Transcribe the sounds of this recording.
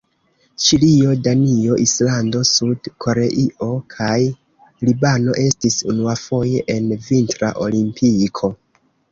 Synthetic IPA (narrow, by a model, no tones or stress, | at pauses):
t͡ʃilio̞danio̞ʔislando̞sudkʰo̞ɾe̞ʔiʔo̞kʰaj | libano̞ʔe̞stisṵnuafo̞je̞ʔenvintɾa̰ʔo̞̰limpʰikʰo̞